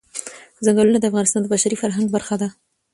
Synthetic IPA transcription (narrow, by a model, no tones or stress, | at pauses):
zaŋɡalunad̪əafɣɑnɪst̪ɑnd̪əbaʃaɾifaɾɦaŋɡbaɾxad̪a